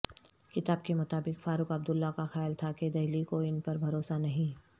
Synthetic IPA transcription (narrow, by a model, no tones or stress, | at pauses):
kɪt̪aːb̚kemʊt̪aːbɪkfaːɾʊkɐbd̪ʊlːakaxɛːjlt̪ʰaked̪ɐɦlikoɪnpɐɾbʱɐɾoːsanɐɦĩ